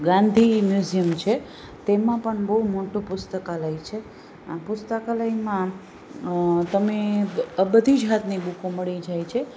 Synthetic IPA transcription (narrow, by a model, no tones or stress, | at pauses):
ɡãnd̪ʱimjuzijəmt͡ʃʰe | t̪emãpəɳbəɦumoʈũpʊst̪əkaləjt͡ʃʰe | pʊst̪əkaləjmã | t̪əmeəbəd̪ʱid͡ʒɦat̪nibukoməɭid͡ʒajt͡ʃʰe